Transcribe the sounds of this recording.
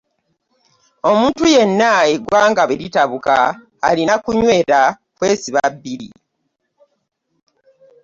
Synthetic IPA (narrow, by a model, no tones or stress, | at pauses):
o̞muːntuje̞nːaeɡwaːŋɡaβeɾitaβuka̰ː | linakuɲwe̞ːɾa | kwe̞ːsiβabːiɾḭ